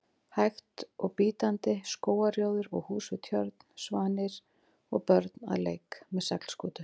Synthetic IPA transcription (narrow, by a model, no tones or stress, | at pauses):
hajxt̪ɔɣpiːt̪ant̪ɪskoːwaɾjoːwðɪɾɔɣhuːsʏt̪ʰjœɾt̪n̥svaːnɪɾ̥ | ɔɣpœɾt̪na̰ðlḛːjkmɛðsakl̥skuːt̪ʏ